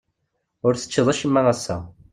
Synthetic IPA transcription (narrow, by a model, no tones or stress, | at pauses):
ʊɾθə̥t͡ʃːəðˤæʃəmːæʁæsːæ̰